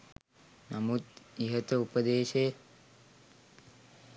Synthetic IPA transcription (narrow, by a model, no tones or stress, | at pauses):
namut̪iɦət̪əupəd̪eːʃejə